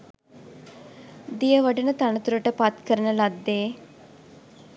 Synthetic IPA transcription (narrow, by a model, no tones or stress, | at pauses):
d̪ijəʋəɖənət̪anət̪uɾəʈəpat̪kəɾnəlaɡ̚d̪eː